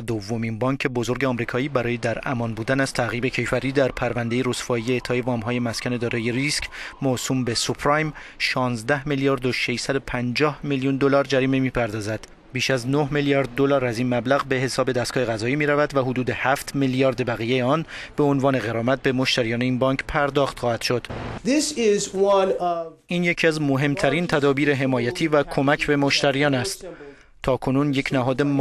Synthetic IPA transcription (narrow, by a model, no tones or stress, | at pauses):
d̪ovːo̞minbɒːŋcʰe̞bo̞zo̞ɾɟeɒmɾiːkʰɒːiːbæɾɒːjed̪æɾæmɒːnbuːd̪ænæz̥t̪ʰæɣiːbe̞cʰe̞jfæɾiːd̪æɾpʰæɾvænd̪e̞jeɾosfɒːijeet̪ʰɒːjevɒːmɦɒːje̞mæskʰæne̞d̪ɒːɾejeɾiscʰmosuːmbe̞supʰɾɑjm | ʃɒːnzd̪æhmiljɒːɾd̪oʃe̞ʃsæd̪opʰænd͡ʒɒːhmiljund̪o̞lɒːɾd͡ʒæɾiːmemiːpʰæɾd̪ɒːzæd̪̥ | biːʃæznohmiljɒːɾd̪̚ːo̞lɒːɾæziːnmæblæɣbe̞ɦe̞sɒːbe̞d̪æst̪ɡɒːheɣæzɒːiːmiːɾævæd̪væɦod̪uːd̪ehæft̪miljɒːɾd̪bæɣijejeɒːnb̥e̞onvɒːne̞ɣe̞ɾɒːmæt̪̚be̞mo̞ʃt̪æɾijɒːne̞iːnbɒŋkʰpʰæɾd̪ɒːxt̪xɒːhæd̪̥ʃo̞d̪̥ðɪsɪzwʌ̃nʔiːnjecʰiæzmoɦe̞mt̪ʰæɾint̪ʰæd̪ɒːbiːɾeɦe̞mɒːjæt̪ʰiːvækʰo̞mæcʰbe̞moʃt̪ʰæɾijɒːnæst̪ | t̪ʰɒːkʰo̞nunje̞cʰnæɦɒːd̪e̞m